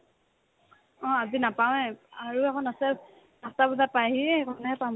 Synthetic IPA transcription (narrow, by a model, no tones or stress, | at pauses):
ɔ̃azinapaw̃ɛaɹuɛkʰɔnasɛ | dastabɔzat̚paɦikʰɔnɛɛpam